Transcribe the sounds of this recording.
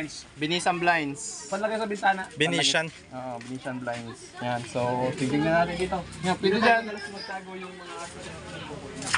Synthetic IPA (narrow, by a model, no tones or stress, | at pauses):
nsbɪniːsɐnblajnspɐd̪lɐɡajsɐbɪnt̪aːnɐʔbɪniːʃan | ʔoːʔobɪniːʃɐnblajns | jansosɪɡd̪ɪŋnɐnaːt̪ɪnd̪iːt̪o̞ŋapɪnʊd͡ʒanwɐlɐsʊmɐɡ̚t̪aːɡojʊŋmɐŋaʔasɐna | ao